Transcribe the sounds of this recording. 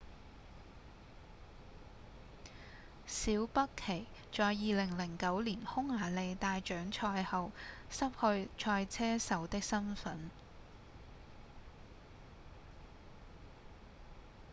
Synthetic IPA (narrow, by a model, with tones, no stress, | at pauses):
siː˨˥wpɐ˥kʰːe˨˩j | t͡ʃɔː˨˧jːiː˨lɪ˨˩ŋlɪ˨˩ŋkɐ˨˥wliː˨˩nhʊ˥ŋːaː˨˩le˨˧jt̪aː˨˧jt͡ʃœː˨˥ŋt͡ʃʰɔː˧jhɐ˨wsɐ˥p̚hɵ˧ɥt͡ʃʰɔː˧jt͡sʰɛː˥sɐ˨˥wt̪ɪ˥k̚sɐ˥nfɐ˨˥n